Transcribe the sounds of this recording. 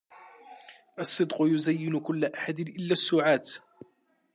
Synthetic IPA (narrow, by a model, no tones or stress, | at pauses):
ʔɑsˤːɨd̪qʊjʊzajːɪnʊkʊlːʔaħad̪ɪnʔɪlːasːuːʕaːt̪